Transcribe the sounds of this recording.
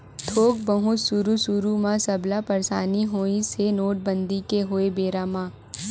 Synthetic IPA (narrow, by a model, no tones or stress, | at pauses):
t̪ʰoːk̚bɐɦʊsuɾusuɾumãsɐblapɐɾsaːniɦoːisenoːʈ̚bə̃nd̪ikeɦoːebeːɾamãː